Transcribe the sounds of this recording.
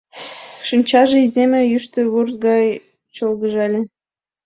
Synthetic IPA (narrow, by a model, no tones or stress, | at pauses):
ʃɨnʲt͡ɕɑʒɤ̆izemʲĕjyʃt̪ə̆βurzɡɑj | t͡ɕolɡɤ̆ʒɑlʲĕ